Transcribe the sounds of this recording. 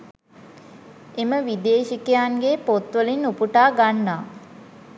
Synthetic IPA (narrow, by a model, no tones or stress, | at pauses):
eməʋid̪eːʃikejaŋɡepot̪ʋəlinupuʈaːɡanːaː